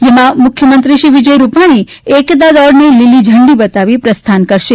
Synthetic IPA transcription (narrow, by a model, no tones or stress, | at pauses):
jemãmʊkʰjəmənt̪ɾiʃiʋid͡ʒəjɾupaɽ̃i | ekd̪ad̪ɔɽnelilid͡ʒʱəɳɖibət̪aʋipɾəst̪ʰankəɾʃe